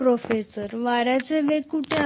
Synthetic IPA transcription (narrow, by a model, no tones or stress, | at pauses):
ɾofesəɾʋaɾjat͡seʋekuʈe